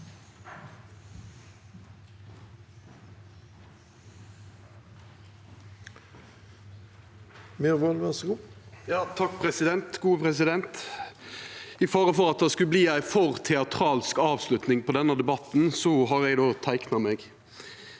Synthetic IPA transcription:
meːʁʋolʋɛsɡʊpjɑːt̪ʰɑkːpʰɾɛsɪd̪ɛnt̪ɡuːəpʁɛsɪd̪ɛnt̪ | ɪfɔɾəfɔʁɑt̪̚d̪ɛskʉbliːæɪfɔʁt̪ʰɛɑt̪ʰʁɑːlskɑːʋslʉt̪nɪŋpɔd̪ɛnːəd̪ɛbɑt̪n̩sɔɦɑʁɛɡd̪oːt̪ʰæɪknɑmeːɡ

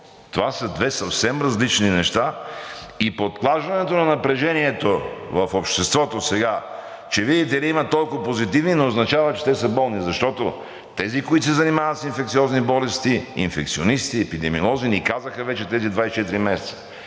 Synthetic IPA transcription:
t̪ovasəd̪vɛsɐfsɛmɾɐzlit͡ʃninɛʃt̪a | ipot̪̚plˠaʒvɐnɛt̪onɐnɐpɾɛʒɛniɛt̪ovɐfopʃt̪ɛst̪vɔt̪osɛɡa | t͡ʃɛvid̪it̪ɛd̪ɛimɐt̪ɔlˠkovɐpozit̪ivninoːznɐt͡ʃavɐt͡ʃɛ̥t̪ɛsɐbɔlˠnizɐʃt̪ɔt̪o | t̪ɛzikoit̪sɛzɐnimavət̪sinfɛkt̪siɔznibɔlɛst̪iḭnfɛk̚t̪sionist̪iɛpid̪ɛmiolˠɔzinikazəxəvɛt͡ʃɛt̪ɛzid̪vaist͡ʃɛt̪iɾimɛsɛt̪sə̥

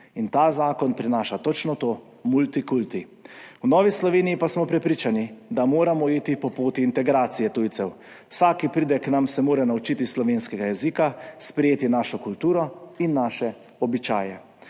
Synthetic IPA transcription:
int̪aːzaːkɔnpɾinaːʃat̪ɔt͡ʃnɔt̪oː | mult̪ikult̪iwnɔːʋislɔʋeːnijipasmɔpɾɛpɾiːt͡ʃanid̪amoːɾamɔiːt̪ipɔpoːt̪iːnt̪ɛɡɾaːt̪sijɛt̪uːj̪sɛw | wsaːkipɾiːd̪ɛknamsɛmoːɾɛnaut͡ʃit̪islɔʋeːnskɛɡajɛzikaspɾɛjeːt̪inaːʃɔkult̪uːɾɔinːaːʃɛ | ɔbit͡ʃa̰ːjɛ

